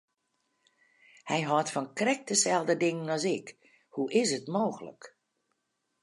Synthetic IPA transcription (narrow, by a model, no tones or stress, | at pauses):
hɛjɦɔtfɔnkrɛk̚dəsɛlˠdədɪŋənɔsɪk | huʔɪs̬ətmoːxələ̰k